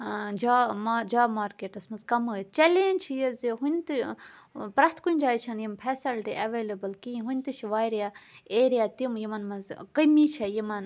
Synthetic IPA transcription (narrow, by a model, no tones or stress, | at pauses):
d͡ʒaːmad͡ʒaːmaːɾkeːʈɐsmɐzkɐmɨt̪t͡ʃɐlẽːnʲt͡ʃʰijɐziɦunʲt̪ɨ | pɾɐt̪ʰkunʲd͡ʒaːjt͡ʃʰɐnjimpʰɛːsɐlʈiːʔɐʋeːlɐbɐlkĩɦunʲt̪ɨt͡ʃʰʋaːjɾjaːeːɾijaːt̪imjimɐnmɐnzkəmit͡ʃʰɐjimɐn